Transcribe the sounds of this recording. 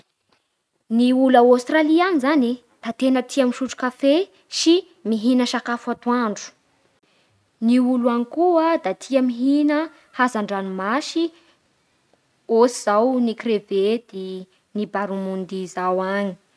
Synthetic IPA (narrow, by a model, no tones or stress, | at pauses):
niulaawst̪ralianizani | d̪̥at̪enət̪ʰiamiʃuʈ͡ʂu̥kafe | ʃi | miɦinəʃakafat̪uaɳɖ͡ʐu̥ | niuluanikuəd̪at̪ʰiəmiɦinə | hazaɳɖ͡ʐanimaʃi | osiz̥awnikreved̪̥i | nibaɾumund̪izawaɲi̥